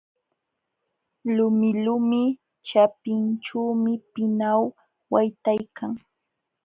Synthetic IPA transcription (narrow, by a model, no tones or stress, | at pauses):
lʊmɪlʊmɪ | t͡ʃapɪnʈ͡ʂuːmɪpɪnaw | wajt̪ajkʰaŋ